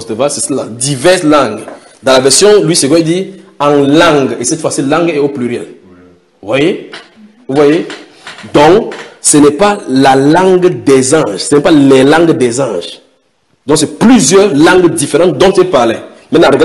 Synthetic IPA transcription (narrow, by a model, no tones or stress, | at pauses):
t̪əvasɛsəla̰d̪ivɛʁslãŋɡ | d̪ãlavɛʁsjɔ̃lwiseɡwɔɛd̪iãlãŋɡesɛt̪fwasilãŋɡɛoplyʁjɛ̰l | vwaje | vuvwaje | d̪ɔ̃ksənɛpalalãŋɡd̪ɛzɑ̃ʒsɛnɛpalɛlãŋɡd̪ɛzɑ̃ʒ | d̪ɔ̃ŋksɛplyzjœʁlãŋɡd̪ifeʁɑ̃t̪̚d̪ɔ̃t̪ɛpaʁle | mɛnaʁɡa